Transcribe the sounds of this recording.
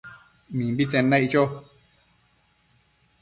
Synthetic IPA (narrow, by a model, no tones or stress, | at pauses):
mĩmbit͡sẽnãit͡ʃo